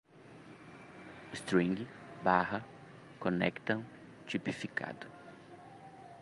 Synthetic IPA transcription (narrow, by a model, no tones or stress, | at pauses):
st̪ɾĩŋɡbaɦɐ | kõnɛ̰kt̪ɐ̃ | t͡ʃipifikʰa̰d̪ʊ